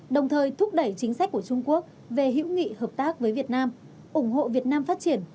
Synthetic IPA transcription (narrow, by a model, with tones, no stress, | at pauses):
ɗə˨˩wŋ͡mt̪ʰəː˨˩jt̪ʰʊ˦˥k͡p̚ɗə˧˩jt͡ɕï˨˦ŋ̟sa˦˥k̟̚ku˧˩ət͡ɕʊ˧ŋ͡mku˦˥ək̚ | ve˨˩ɦḭ˧˥wŋḭ˧˨həː˨˩p̚t̪aː˦˥k̚vəː˨˦jvi˨˩ət̚naː˧m | ʔʊ˧˩ŋ͡mɦo̰˧˨vi˨˩ət̚naː˧mfaː˦˥t̚t͡ɕi˧˩ən